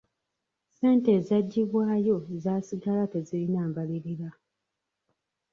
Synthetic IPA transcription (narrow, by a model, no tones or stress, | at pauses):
se̞ːnte̞ːzaɟːiβwaːjo̞ezaːsiɡalatezilinaːmbaliɾiɾa